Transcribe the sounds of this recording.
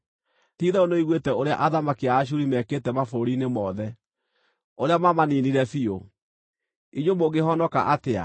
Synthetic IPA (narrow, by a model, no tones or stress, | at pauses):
tiːðɛonoiɣwetɛoɾea̰ʔaðamakiaːɕ̬uɾimɛːketɛmafoɾinemɔðɛ | oɾeamamaniniɾɛfio | iɲomoɡeɦɔnɔka̰ʔatea̰